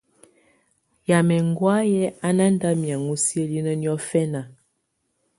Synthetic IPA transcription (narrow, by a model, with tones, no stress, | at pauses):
ja˨mɛ˨ŋɡwa˦jɛ˦a˦na˦nda˦mja˨ŋu˦sjə˦li˦nə˦njɔ˦fɛ˦na˨